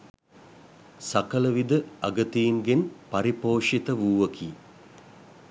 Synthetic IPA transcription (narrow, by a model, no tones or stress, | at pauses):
sakələʋid̪əaɡət̪ijːŋɡenpaɾipoːʂit̪əʋuːʋɐkʰiː